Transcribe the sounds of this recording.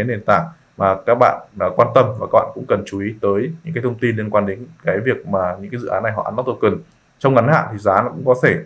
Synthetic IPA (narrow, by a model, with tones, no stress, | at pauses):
e˨˦nɗe˨˩nt̪a̰ː˧˩ŋ | maː˨˩kaː˦˥k̚ɓa̰ː˧˨n˨˩kwaː˧nt̪ə˧mvaː˨˩kaː˦˥ɓa̰ː˧˨kʊ̰˧˥ŋ͡mkə˨˩nt͡ɕu˨˦i˨˦t̪əː˨˦jɲɨ̰˧˥ŋkaː˨˦jt̪ʰə˧ŋ͡mt̪i˧nli˧ənkwaː˧nɗe˨˦nkaː˨˦jvi˨˩ək̚maː˨˩ɲɨ̰˧˥ŋaː˨˦jzɨ̰˧˨aː˨˦nːa˨˩jɦɔ̰˧˨ʔa˨˦na˨˦˥t̪o˧˩kɨ˨˩n | t͡ɕɔ˧wŋ͡mŋa˨˦nha̰ː˧˨t̪ʰi˨˩zaː˨˦nɔ˨˦kʊ̰˧˥ŋ͡mkɔ˨˦t̪ʰe˧˩